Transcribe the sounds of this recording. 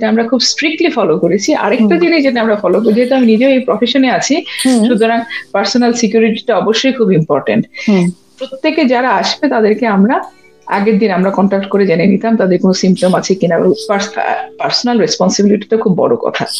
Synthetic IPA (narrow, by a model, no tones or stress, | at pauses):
d͡ʑeʈaamɾakʰubsʈɾik̚ʈlifɔlokoɾet͡ɕʰiʔa̰ɾek̚ʈad̪ined͡ʑeʈaamɾafɔlokoɾd͡ʑeɦet̪uaminid͡ʑeejpɾɔfeʃoneat͡ɕʰiʃut̪ʰoɾaŋpaɾsonalsikjuɾiʈiʈaɔboʃːojkʰubimpɔɾʈḛɳʈpɾot̪ːeked͡ʑaɾaaʃbet̪ad̪eɾkeamɾa | a̰ɡeɾd̪inamɾakɔɳʈakʈkoɾed͡ʑanenit̪amt̪ad̪eɾkonosimpʈomat͡ɕʰekinaḛbo̰paspaɾsonalɾespɔnsibiliʈi̥t̪akʰubːɔ̰ɽo̰kɔ̰t̪ʰa̰